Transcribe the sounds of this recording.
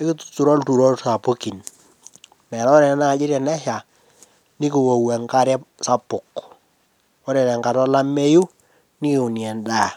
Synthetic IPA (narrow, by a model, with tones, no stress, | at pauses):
ɪ˦kɪ˦ttu˨ɾɔ˦ltu˨ɾɔ˦lsa˨po˦ki˨n | mɛ˨ɾa˦ɾɛ˨nɛ˦na˦˨d͡ʒɪ˦ɾɛ˨nɛ˦ʃa˨ | nɪ˦ki˨wo˨wɛ˨ŋka˦ɾɛ˦sa˦pʊ˨k | ɔ˦ɾɛ˨nɛ˨ŋka˨tɔ˦la˦me˦ju˦ | nɪ˦kɪ˨ʊ˨njɛ˨ndaː˦˨